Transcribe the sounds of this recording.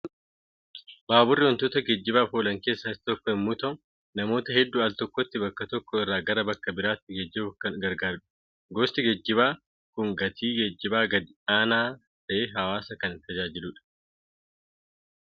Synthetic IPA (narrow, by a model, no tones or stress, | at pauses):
baːbʊrːɪwɔnt̪oːt̪ɐɡɛd͡ʒːɪbaːfoːlɐŋke̞ːsːɐɪst̪ɔkːɔɪmːʊt̪ɐ | nɐmo̞ːt̪ɐhɛd̪ːuːaɐlt̪ɔkːɔt̪ːɪbɐkːɐt̪ɔkːɔɪrːaːɡɐɾɐbɐkːɐbɪɾaːt̪ːɪɡɛd͡ʒːɪbkɐnɡɐɾɡaːɾᶑʊ̥ | ɡost̪ɪɡɛd͡ʒːɪbaː | kʊŋɡɐt̪ʰiːɡɛd͡ʒːɪbaːɡɐd̪ɪaːnaː | t̪ɐʔeːɦɐwaːsɐkɐnɪnt̪ɐd͡ʒaːd͡ʒɪluːᶑɐ̥